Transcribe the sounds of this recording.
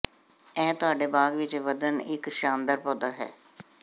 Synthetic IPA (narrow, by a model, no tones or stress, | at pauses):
ɛːt̪ʊɦaːɖeːbaːɡʋɪt͡ʃʋəd̪ənɪkʃaːnd̪əɾpõːd̪aːɦɛ̰ː